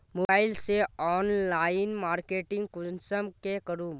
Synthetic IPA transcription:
moːaːɪlseɔːnlaːɪnmaːɾkeːʈɪ̃ŋɡ̚kʊnsəmkekɐɾuːm

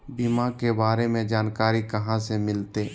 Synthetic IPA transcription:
bimãkebaːɾemẽd͡ʒaːnkaːɾikəɦãsemɪlt̪eː

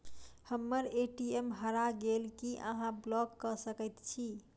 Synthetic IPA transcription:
həmːəɾeʈiemɦəɾaɡelkiʔə̰ɦãblɔkːəsəkət̪t͡ʃʰi

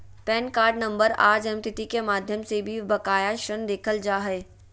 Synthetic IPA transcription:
pɛːnkaːɾɖnɐ̃mbəɾa̰ːɾd͡ʒənmt̪ʰɪt̪ikemaːd̪ʱjəmsebʱibɐkaːjaʃənd̪eːkʰəld͡ʒaːɦeː

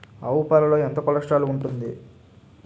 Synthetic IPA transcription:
ɐwupalɐlo̞ːɛnt̪ɐkɔlɐʂʈaːluuɳʈund̪i

